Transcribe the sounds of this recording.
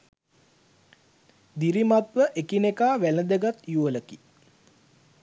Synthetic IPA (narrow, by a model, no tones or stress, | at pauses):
d̪iɾimat̪ʋəʔekinekaːʋæləd̪əɡat̪juələki